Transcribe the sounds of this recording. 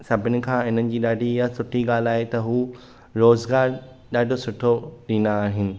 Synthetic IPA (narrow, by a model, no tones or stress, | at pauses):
sɐbʱɪnɪ̆kʰãːɪn̤ənɪ̆d͡ʑiːɗaːɖʱijasʊʈʰiɡaːl̤aːɦet̪ɐɦuː | ɾoːzɡaːɾ | ɗaːɖʱosʊʈʰoɗiːnaːɦɪnɪ̆